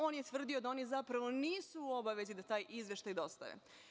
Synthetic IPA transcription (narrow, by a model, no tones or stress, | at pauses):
o̞ːnjet̪ʋr̩d̪io̞d̪ao̞ːnizapɾaʋo̞niːsuːo̞baʋe̞zid̪at̪aːjizʋje̞ʃt̪ajd̪o̞st̪a̰ʋḛ